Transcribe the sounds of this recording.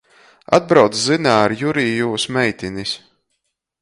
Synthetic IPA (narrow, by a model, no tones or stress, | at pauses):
a̰d̪̚bɾawt̪szɨnaːɾjuɾiːjuːsmɛjt̪ʲinis